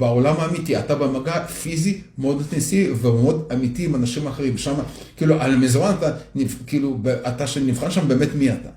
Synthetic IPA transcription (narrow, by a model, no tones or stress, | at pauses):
baolamaːmit̪iatabemaɡafizimeo̞d̪it̪ensivivemeo̞damitiːmanaʃimaːχeʁimʃama | kiːluʔalmizmanat̪anikiːlubeʔat̪aʃenivχanʃambe̞metmiat̪a